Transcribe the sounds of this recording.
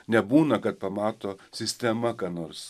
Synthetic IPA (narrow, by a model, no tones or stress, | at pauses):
nʲɛbuːnɐkɐt̪̚pɐmɑːt̪oːsʲɪsʲt̪ʲɛmɐkɑːnoːrs